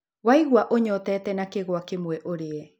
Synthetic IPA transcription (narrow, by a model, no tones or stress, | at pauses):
waiɣwaʔoɲɔtɛːtɛnakeɣwakemwɛʔoɾeɛ